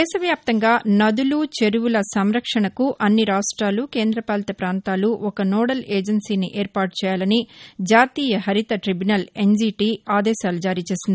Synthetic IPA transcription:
d̪ɛːʃɐʋjaːp̚t̪ɐŋɡaːnɐd̪ulut͡ʃe̞ɾuʋulɐsɐmɾɐkʂɐɳɐkuʔɐnːiɾaːʂʈɾaːlukeːnd̪ɾɐpaːlɐt̪ɐpɾaːnt̪aːluʔɔkɐnɔːɽɐleːd͡ʒɐnsiːniʔeːɾpaːɾʈ̚t͡ʃɛːjaːlɐnid͡ʒaːt̪iːjɐɦɐɾit̪ɐʈɾibjunɐle̞nziːʈiːaːd̪ɛːʃaːlud͡ʒaːɾiːt͡ʃe̞ːsind̪i

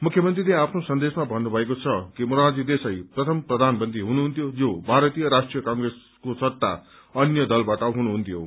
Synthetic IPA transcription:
mukʰːjʌmʌnt̪rileapʰnosʌnd̪esmabʱʌnːubʱʌekot͡sʰʌkimuɾad͡zid̪esʌjprʌt̪ʰʌmprʌd̪ʱanbʌnd̪ʱiɦunuɦunt̪ʰjod͡zobʱaɾʌt̪ijʌɾasʈrijʌkaŋɡres | kosʌt̪ːa̰ | ʌnjʌd̪ʌlbaʈʌɦunuɦunt̪ʰijo

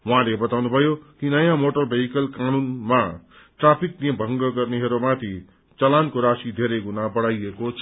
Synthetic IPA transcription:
wãlebʌt̪awnubʱʌjokinʌjãmoʈʌrbʱeɦikʌlkanunma | ʈrapʰik̚niebʱʌ̃ŋɡʌɡʌrneɦʌɾumat̪ʰi | t͡sʌlankoɾasid̪ʱeɾʌjɡunabʌɽajekot͡sʰʌ

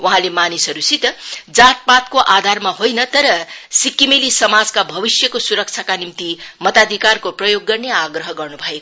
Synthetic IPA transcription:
wʔuɦãlemanisʌɾusit̪d͡zat̪̚pat̪koʔad̪ʱarmaɦojnʌt̪ʌɾʌsikːimelisʌmad͡zkabʱʌbisjʌkosuɾʌk̚t͡ʃʰakanimt̪imʌt̪ad̪ʱikarkoprʌjoɡːʌrneaɡrʌɦʌɡʌrnubʱʌeko

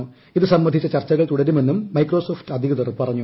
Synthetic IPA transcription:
iðɨsɐmːɐd̪ʱit͡ɕːɐt͡ɕɐrt͡ɕːɐɣɐɭt̪uɽɐɾume̞nːumːɐjkːro̞ːsoːfʈɨɐd̪ʱiɣɐðɐrpɐrɐɲːu

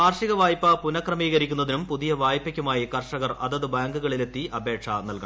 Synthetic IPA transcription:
aːrʂiɣɐʋaːjpːɐpunɐkrɐmiːɣɐɾikʲːunːɐðinumpuðijɐʋaːjpːɐkʲːumaːjikɐrʂɐɣɐrɐðɐðɨbaːŋɡuɣɐɭile̞t̪ːiʔɐbe̞ːʈʂɐnɐlkɐ̰

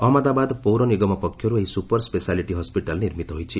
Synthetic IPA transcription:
ɔmɔd̪abad̪powɾɔniɡɔmɔpɔkʰːjɔɾueɦisupɔɾspesaliʈiɦɔspiʈalniɾmit̪ɔɦojt͡ʃʰi

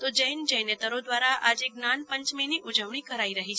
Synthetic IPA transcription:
t̪od͡ʒəjnd͡ʒəjnet̪əɾod̪ʋaɾaʔad͡ʒeɡnanpəɲt͡ʃmeniʔud͡ʒəʋɳikəɾaiɾəɦit͡ʃʰe

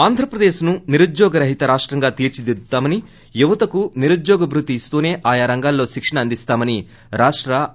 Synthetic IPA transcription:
aːnd̪ʱɾɐpɾɐd̪eːʃnuniɾud̪jɔːɡɐɾɐɦit̪ɐɾaːʂʈɾɐŋɡaːt̪iːɾt͡ʃid̪id̪t̪ːaːmɐni | juʋɐt̪ɐkuniɾud̪jɔːɡɐbɾut̪iːst̪uːne̞ːʔaːjaːɾɐŋɡaːlːo̞ːʃikʂɐɳɐɐnd̪ist̪aːmɐni | ɾaːʂʈɾɐ

